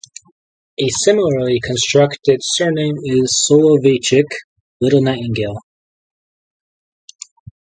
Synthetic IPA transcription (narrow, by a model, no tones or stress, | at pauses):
ɨsɪ̃ml̩ˠə˞likʰɨ̃nstɹ̥ʌktɨd̥sɜ˞nɪ̃mɪz̥solˠovet͡ʃɪk | lɪɾl̩ˠnaɪʔɪ̃ŋɡeɪlˠ